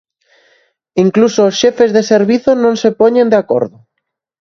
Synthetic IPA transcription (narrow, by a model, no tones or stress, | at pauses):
iŋklusoːsʃefezðeseɾβiθonõŋsepoɲẽnd̪eako̰ɾðo